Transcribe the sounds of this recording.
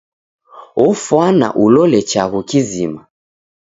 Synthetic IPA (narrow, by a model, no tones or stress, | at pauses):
ɔfwana̰ʔulɔlɛt͡ʃaɣukizima